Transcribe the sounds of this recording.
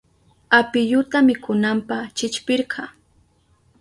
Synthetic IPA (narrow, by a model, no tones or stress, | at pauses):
apɪjʊt̪amɪkʊnampɑχt͡ʃɪt͡ʃpɪɾɢʰɑ